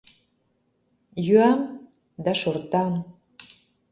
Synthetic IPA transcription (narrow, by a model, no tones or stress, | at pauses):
jyɑn | d̪ɑʃort̪ɑn